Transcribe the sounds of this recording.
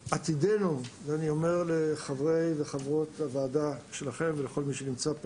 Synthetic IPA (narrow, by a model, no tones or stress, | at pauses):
at̪idenuveanio̞me̞ʁle̞χavʁejveχavʁo̞t̪havaːdaʃe̞laχe̞mveleχo̞lmiʃenimt͡sa